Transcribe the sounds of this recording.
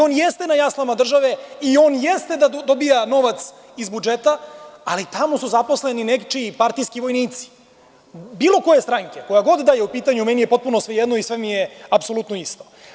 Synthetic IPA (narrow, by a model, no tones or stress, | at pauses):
o̞ːnjest̪e̞najaslˠamad̪r̩ʒaʋe̞io̞ːnjest̪e̞d̪ad̪obijano̞ʋat̪s | izbud͡ʒet̪aːlit̪amo̞suzapo̞sleninekt͡ʂipaɾt̪ijskiʋo̞jniːt̪si̥ | biːlˠo̞ko̞je̞st̪ɾaŋke̞ko̞jaɡo̞d̪d̪aːjeupiːt̪aɲumɛnijepo̞t̪̚punosʋejed̪noisʋemijeapso̞lut̪noist̪o̥